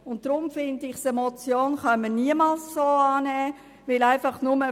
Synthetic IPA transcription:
ʊnt̚d̥ɾʊmfɪndəɪχsemot͡sjoːnχɑməniəmalsːoːaːnɛː | ʋɪlaɪfɑχnʊmə

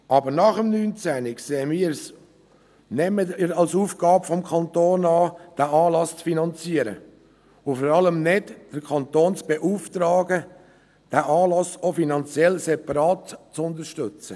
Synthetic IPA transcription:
ʔɑːbəɾnɑχəmnyːnt͡sænɪkseːmiːɾs | nɛməɪɾɑlsuːfɡ̥ɑːbfɔmkʰχɑnt̪oːnɑːd̥æʔɑːlɑst͡sfinɑnt͡siəɾə̰ | ʊfɔɾɑləmnɪdd̥əɾkʰɑnt̪oːnt͡sb̥eʔuːftɾɑːɡə | d̥æːʔɑːlɑsofinɑnt͡sjɛlsɛpɑɾɑːtt͡sʊnd̪əɾʃtʏt͡sə

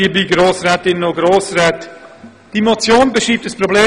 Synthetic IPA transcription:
ibiɡɾoːsrɛːtɪnnoɡɾoːsrɛːt | d̥imot͡sjoːnbəʃiːp̚təsprobleː

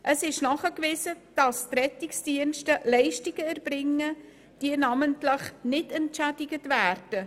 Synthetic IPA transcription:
ʔəsɪʃnɑχəkvɪːsəd̥ɑstrɛtɪksd̥iənʃtəlɛɪʃtiɡəærb̥rɪŋːə | d̥iənɑːməntləχnɪtəntʃædɪɡətvæːrd̥ə

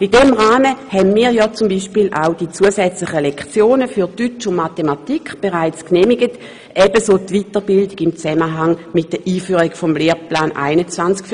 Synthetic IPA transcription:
idɛmʁaːməhɛnmiːɐjɔt͡sʊmbiʃpiːlʔa̰ʊd̥it͡suəsɛt͡slɪχəlɛkt͡sjoːnəfyɐdyt͡ʃʊnmatematikχb̥eʁaɪt͡skneːmiɡət | ʔɛb̥əsoːtvitəʁbɪldɪɡɪmt͡sɛməɦaŋmɪt̚d̥əʔiːfyːʁiɡfɔmleːplaːnʔa̰ɪnət͡svant͡skf

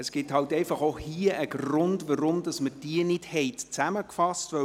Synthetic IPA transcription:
əsɡ̥ɪthɑltɛɪfɑχohiəʔəɡɾʊndʋəɾʊmd̥ɑsməd̥iənɪdhɛɪtt͡sæməkfɑstʋœ

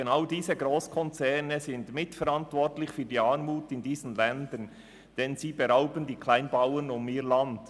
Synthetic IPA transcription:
enaʊdiːzəɡɾoːskʰɔnt͡sɛnəzɪntmɪtfɛɾɑntvɔɾtlɪçfyːɐdiːɑːnmuːtɪndiːzən̩lɛndən | d̥ɛnziːbeɾaʊbəndiːkʰlaɪnbaʊənʊmiːɾlɑnd̥

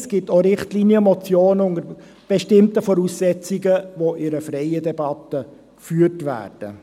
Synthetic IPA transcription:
sɡ̥ɪtoɾɪχtliːniəmɔt͡sjoːnəʊŋəɾ | b̥ɛʃtɪmtəfɔɾuːsːɛt͡siɡəʋoʔɪɾəfrɛɪədɛbɑt̪ə | kfyːərtʋæ̰ːrd̥ə̰

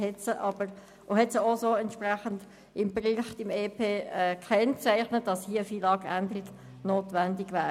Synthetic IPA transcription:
hɛtsəʔɑbəɾ | ʔohɛtsəozoːɛntʃpræχənd̥ | ɪmbriːχtɪmeːpʰeːɛːkʰːɛnt͡sæɪχnət̚d̥ɑshiːəfiːlɑːɡændlɪɡ̥ | noːtʋændɪɡvæː

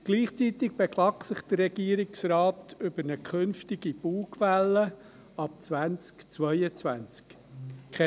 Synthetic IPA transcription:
ɡ̥liːχt͡sit̪ɪɡ̚b̥ekʰlɑksɪχd̥ərːɛɡ̥iːəɾɪksraːtʏbəɾnəkʰχɵnftɪɡib̥uːkʰʋælːə | ɑp̚t͡svænt͡skt͡sʋœɪət͡sʋænt͡sk | kʰɛ

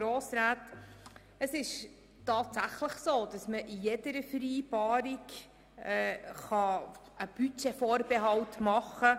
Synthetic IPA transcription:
ɾoːsɾaːt | əsɪʃ | tɑːtsæχləχsoːd̥ɑsməʔijɛdəɾəfəɾiːbɑːɾɪk | ɛːχɑ | əb̥yt͡ʃefɔːɾbeɦɑltmɑχə

